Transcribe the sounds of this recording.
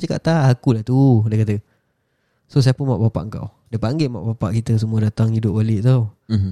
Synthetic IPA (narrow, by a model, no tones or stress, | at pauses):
t͡ʃaka̰ʔt̪aakulaht̪udiəkat̪ə | sos̬aapənmaʔpapa̰ʔəŋka̰w | dapaŋɡema̰ʔpapa̰ʔkit̪əs̬əmũədat̪aŋhidʊp̚alɪʔt̪aw